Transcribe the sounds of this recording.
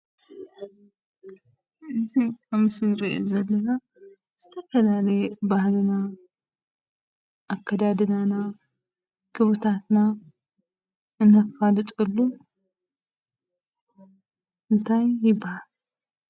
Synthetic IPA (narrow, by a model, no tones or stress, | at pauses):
ʔɨziaβmɨsɨlɾio̰zɐlːɐna | z̥ɨt̪ʰɐfɐlalɐjbahlɨna | ʔːkʰːɐd̪ad̪ɨnana | kʰɨβɨt̪ʰat̪na | ʔɨnːɐfalɨt̪ʼɨlːu | ʔɨnt̪ʰajːɪbːahal